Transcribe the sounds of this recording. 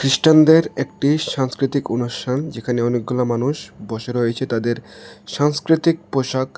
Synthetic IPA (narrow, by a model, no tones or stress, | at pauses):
kɾiʃʈand̪eɾek̚ʈiʃaŋskɾit̪ikonuʃʈʰand͡ʑekʰaneɔnek̚ɡulamanuʃbɔʃeɾoet͡ɕʰet̪ad̪eɾʃaŋskɾit̪ik̚poʃak